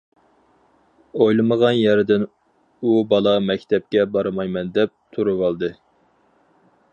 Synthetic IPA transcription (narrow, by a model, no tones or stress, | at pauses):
ojlˠɨməʁɑnjɛɾɪd̪ɪn | ubɑlˠɑmɛkʲt̪ʰɛp̚kʲɛbɑɾɨmɑjmɛnd̪ɛp̚t̪ʰuɾuwɑlˠd̪ɨ